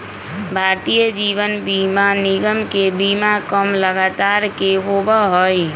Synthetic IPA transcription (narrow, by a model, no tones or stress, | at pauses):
bʱaɾt̪ijəd͡ʒiʋənbimaniɡəmkebimakəmləɡat̪aɾkeɦobəɦəj